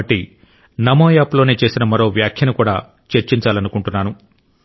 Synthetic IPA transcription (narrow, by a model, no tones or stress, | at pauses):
ɐʈːi | nɐmoːjaːplo̞ːne̞ːt͡ʃe̞ːsinɐmɐɾo̞ːʋjaːkʰjɐnukuːɽa̰ː | t͡ʃeɾt͡ʃiɲt͡ʃaːlɐnukuɳʈunːaːnu